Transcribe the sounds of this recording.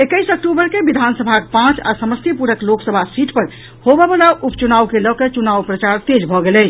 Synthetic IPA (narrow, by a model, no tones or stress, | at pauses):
ekəɪsək̚ʈubəɾkebid̪ʱansəbʱakpãt͡ʃa̰səməst̪ʰipuɾəkloksəbʱasiʈpəɾ | hobɛbalaʔupt͡ʃunawkelɔket͡ʃunawpɾət͡ʃaɾt̪ed͡ʒbʱɔɡelɛt͡ʃʰ